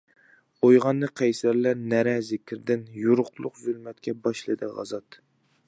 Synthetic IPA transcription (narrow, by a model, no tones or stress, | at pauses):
ojʁɑnːɨqʰæjsæɾlæɾnæɾɛzɪkʲʰɪɾd̪ɪnjuɾʊqlˠʊqzʊlmɛt̪kʲɛbɑʃlˠɨd̪ɨʁɑ̰zɑt̪